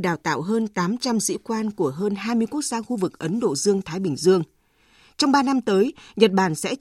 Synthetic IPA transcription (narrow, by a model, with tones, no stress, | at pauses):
ɗaː˨˩wt̪a̰ː˧˨wɦəː˧nt̪aː˨˦mt͡ɕa˧msḭ˧˥kwaː˧nku˧˩əɦəː˧nɦaː˧jmɨ˧əjku˦˥ək̚zaː˧xu˧vɨ˨˩k̚ʔə˨˦nɗo̰˧˨zɨ˧əŋt̪ʰaː˨˦jɓï˧˩ŋ̟zɨ˧əŋ | t͡ɕɔ˧wŋ͡mɓaː˧na˧mt̪əː˨˦jɲə˨˩t̚ɓaː˧˩nsɛ̰˧˥